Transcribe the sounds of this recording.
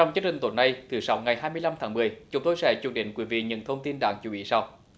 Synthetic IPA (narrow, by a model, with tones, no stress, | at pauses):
t͡ɕɔ˧wŋ͡mt͡ɕɨ˦ək̚t͡ɕï˨˩ŋ̟t̪o˧˨˩nːa˧jt̪ʰɨ˨˩sa˨˦wŋa˨˩jhaː˧jmɨ˧əjla˧mt̪ʰaː˨˦ŋmɨ˨˩əjt͡ɕʊ˨˦ŋ͡mt̪o˧jsɛ̰˧˥t͡ɕu˧˩əŋ̚ɗḭ˧˨ŋ̟kwi˨˧˦vḭ˧˨ɲɨ̰˧˥nt̪ʰə˧wŋ͡mt̪i˧nɗa̰ː˧˥ŋt͡ɕu˨˧˦ɓḭ˧˥sa˧w